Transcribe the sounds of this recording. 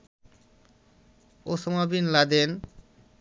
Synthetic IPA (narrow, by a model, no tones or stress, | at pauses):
osomabinlad̪en